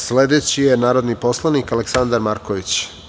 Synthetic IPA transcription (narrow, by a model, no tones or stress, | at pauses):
sle̞d̪et͡ɕijenaːɾod̪nipo̞slˠanikaleksand̪aɾmaɾkoʋit͡ɕ